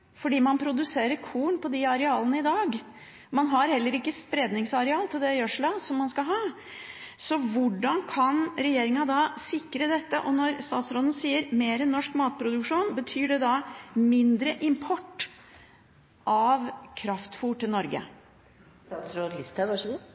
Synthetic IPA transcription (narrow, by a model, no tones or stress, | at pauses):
fɔɖiːmɑnpʰɾʊd̪ʉseːɾəɾkʰuːɳpʰɔd̪ɪɑɾɛɑːlənəɪd̪ɑːɡ | mɑnɦɑɾhɛlːəɾɪkːəspɾeːd̪nɪŋsɑɾɛɑːlt̪ʰɪld̪ɛœʂɭɑsɔmːɑnskɑɦɑː | sɔʋʊɖɑnkʰɑnɾɛjeːɾɪŋɑd̪ɑsɪkːɾəd̪ɛt̪ːəʔɔnɔɾst̪ɑːt̪sɾoːd̪ənsiːəɾmeːɾɛnːɔʂkmɑːt̪̚pʰɾʊd̪ʉkʂuːnbət̪ʰyːɖɛd̪ɑmɪnd̪ɾəʔɪmpʰɔʈː | ʔɑʋkʰɾɑft̪fuːʈʰːɪlnɔɾɡə̰ | sɾolɪst̪əʋ